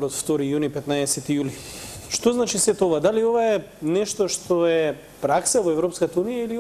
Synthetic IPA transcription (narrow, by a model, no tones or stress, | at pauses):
ɾɔt̪ft̪ɔɾijunipɛt̪naɛsɛt̪ijuli | ʃt̪oznat͡ʃisɛt̪ovad̪aliovaɛ | nɛʃt̪ɔʃt̪oɛ | pɾaksavɔɛvɾɔpskat̪aunijaili